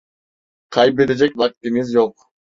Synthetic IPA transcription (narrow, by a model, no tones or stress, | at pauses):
qʰɑjbeɾed͡ʒekʲvak̚t̪ʲimizd͡ʒoq̚